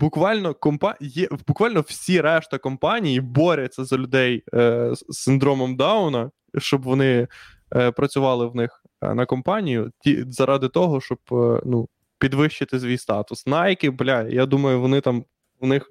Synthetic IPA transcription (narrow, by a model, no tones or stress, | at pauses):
bʊkʋɑlʲnɔkɔmpɑjɛbʊkʋɑlʲnɔw̥sʲiɾɛʃt̪ɐkɔmpɑnʲijibɔɾʲɐt͡sʲːɐzɐlʲʊd̪ɛj | sːɪnd̪ɾɔmɔmd̪ɑʊnɐ | ʃt͡ʃɔbʋɔnɪ | pɾɐt͡sʲʊʋɑlˠɪwnɪx | nɐkɔmpɑnʲijʊtʲḭzɐɾʔɑd̪ɪt̪ɔɦɔʃt͡ʃɔbnu | pʲid̪ʋɪʃt͡ʃɪt̪ɪs̬ʲʋʲijst̪ɑt̪ʊsnɑjkɪblʲajjad̪umɐjʊʋɔnɪt̪ɑm | ʋnɪx